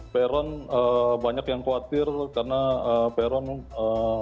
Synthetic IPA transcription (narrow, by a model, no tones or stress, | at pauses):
peɾɔnəbaɲakjaŋkowat̪ɪrkarənaəːpeɾɔnə